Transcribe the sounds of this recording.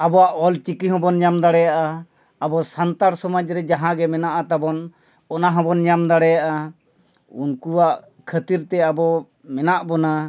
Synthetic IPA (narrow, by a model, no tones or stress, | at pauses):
abɔwaʔɔlt͡ʃikiɦɔ̃bɔnɲamd̪aɽɛjaʔaː | bɔsant̪aɾsɔmad͡ʒɾɛd͡ʒaɦãɡɛmɛnaʔat̪abɔn | ɔnaɦɔ̃bɔnɲamd̪aɽɛjaʔa | ṵnkuwaʔ | kʰət̪iɾt̪ɛabɔ | mɛnaʔbɔna